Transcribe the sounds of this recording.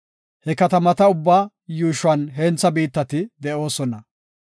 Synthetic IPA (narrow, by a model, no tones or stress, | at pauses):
hɛkɐt̪ɐmɐt̪ɐʊbːaː | juːʃwɐnɦeːnt͡sːɐbiːt̪ːɐt̪ɪd̪ɛʔo̞ːsɔnɐ